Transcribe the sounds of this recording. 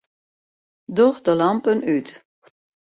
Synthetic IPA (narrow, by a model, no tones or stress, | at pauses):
doxdəlɑmpənyt